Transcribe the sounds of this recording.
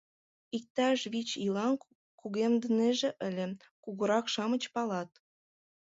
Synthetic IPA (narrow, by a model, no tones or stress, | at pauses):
ik̚t̪ɑʃβit͡ɕilɑn | kuɣemd̪ə̆neʒĕʔəlʲĕ | kuɣəɾɑkʃɑmə̆t͡ɕpɑlɑt̪̚